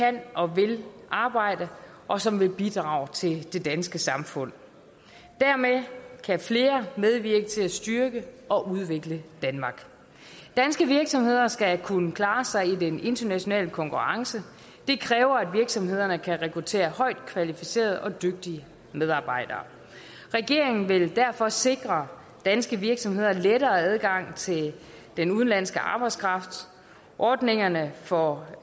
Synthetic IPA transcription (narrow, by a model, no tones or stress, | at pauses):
kʰænʔɒ̽ʋe̝lʔɑ̈ːb̥ɑ̈ɪ̰d̥ə | ʔɒ̽sɒ̽mʋe̝lb̥id̥ʁɑ̰̈ːʊt͡sʰe̝ld̥e̝d̥ænsɡ̥əsɑ̈mfɔ̽n̰ | d̥æɐmekʰæfle̝ːɐmeð̞ˠʋiɐɡ̥ət͡sʰe̝læsd̥yɐɡ̥əʔɒ̽ʔuð̞ˠʋe̝ɡ̥ləd̥ænmɑ̈ɡ̥ | d̥ænsɡ̥əʋiɐɡ̥sɒ̽mhe̝ð̞̰ˠɐsɡ̥ækʰunəkʰlɑ̈ːsɑ̈ɪid̥ene̝nd̥ɐnæɕo̝nɛ̰ːləkʰɒ̽ŋkʰuʁɑ̈ŋsə | d̥e̝kʰʁɛːʊɐæd̥ʋiɐɡ̥sɒ̽mɦe̝ð̞̰ˠɐnəkʰæʁɛkʰʁut͡sʰe̝̰ːɐhɒ̽ɪ̰d̥kʰʋælifise̝̰ːɐð̞ˠɒ̽d̥øɡ̥̚d̥iə | með̞ˠɑ̈ːb̥ɑ̈ɪ̰d̥ɐ̰ː | ʁɛɡ̥e̝ɐ̰eŋn̩ʋe̝ld̥æɐ̰fɒ̽se̝ɡ̥ʁɐ | d̥ænsɡ̥əʋiɐɡ̥sɒ̽mhe̝ð̞̰ˠɐleɾɐːæð̞ˠɡ̥ɑ̈ŋ̰t͡sʰe̝l | d̥enuð̞ˠn̩læn̰sɡ̥əʔɑ̈ːb̥ɑ̈ɪ̥skʰʁɑ̈fd̥ | ʔɒːd̥ne̝ŋɐnəfɒ